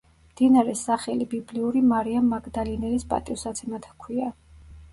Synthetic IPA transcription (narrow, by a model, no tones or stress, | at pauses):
md̪̥inaɾɛsaχɛlibibliuɾimaɾiamːaɡd̪alinɛlispʼa̰t̪ʼiusat̪sʰɛmat̪ʰkʰwia